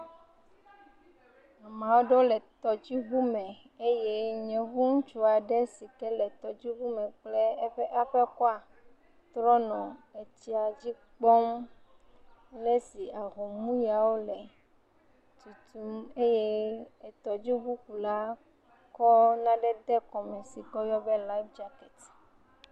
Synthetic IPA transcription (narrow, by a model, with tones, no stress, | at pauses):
a˨mã˨wo˦ɖo˦lɛ˨t̪ɔ˨d͡ʑi˦ɣu˦mɛ̃˨ | e˦je˦ɲɛ̃˨ɣu˦ŋ̩˦t͡ʃu˦a˨ɖe˦si˨t̪ɛ˦lɛ˨t̪ɔ˨d͡ʑi˦βu˦mɛ̃˨k͡ple˦e˦ɸe˦ʔa˦ɸɛ˦kɔ˦a˨ | t̪ɾɔ˦nɔ̃˨e˨t͡ɕi˦a˨d͡ʑi˦ | k͡pɔ˦m | le˦si˨a˨ɣɔ˨mũ˦ja˨wo˦lɛ˨ | t̪u˨t̪u˨me˦je˦e˨t̪ɔ˨d͡ʑi˦ɡu˦ku˨la˦ | kɔ˦nã˦ɖɛ˦d̪ɛ˦kɔ˨mɛ̃˨si˨kɔ˦jɔ˦bɛ˦la˦i˦fd͡ʒa˦kɛ˨t̪